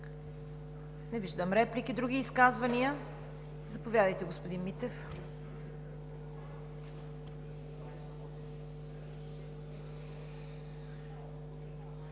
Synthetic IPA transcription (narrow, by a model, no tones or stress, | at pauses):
nɛviʒd̪əmɾɛplikid̪ɾuɡiːskazvɐniə | zɐpovʲjad̪əjt̪ɛɡospod̪inmit̪ɛf